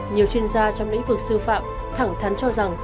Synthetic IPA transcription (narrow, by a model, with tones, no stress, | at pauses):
ɲi˨˩əwt͡ɕwi˧ənzaː˧t͡ɕɔ˧wŋ͡mlḭ˧˥ŋ̟vɨ˨˩ək̚sɨ˧fa̰ː˧˨m | t̪ʰa˧˩ŋt̪ʰa˨˦nt͡ɕɔ˧za˨˩ŋ